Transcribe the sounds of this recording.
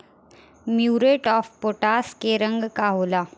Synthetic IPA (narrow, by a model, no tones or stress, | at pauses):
mjuːɾeːʈɔːfpoːʈaːskeɾə̃ŋɡkaɦoːlaː